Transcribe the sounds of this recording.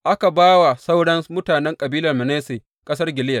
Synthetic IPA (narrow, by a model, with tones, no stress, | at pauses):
ʔa˦ka˨baː˦wa˨sa˦wɽɐ˦nmʊ˦taː˨nɛ˦ŋkʼɐ˨biː˦lɐ˨rmɐ˨neː˦seː˨ | kʼɐ˦s̬ɐ˦rɡʲɪ˨lɪ˦jɐ˨